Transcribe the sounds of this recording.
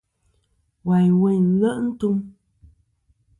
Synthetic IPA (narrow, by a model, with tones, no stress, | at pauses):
wa˨jwe˦˨˦lə˦ʔn̩˦tu˦m